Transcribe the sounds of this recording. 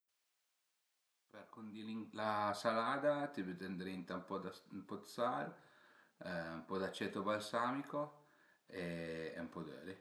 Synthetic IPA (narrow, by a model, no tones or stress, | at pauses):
perkond̪iliŋlasalaːd̪at̪ibyt̪ɛnd̪ɾint̪ampɔd̪ampɔt̪sal | umpɔd̪at͡ʃːɛt̪obalsaːmiko | eɛ̰umpɔd̪ø̰ːɾi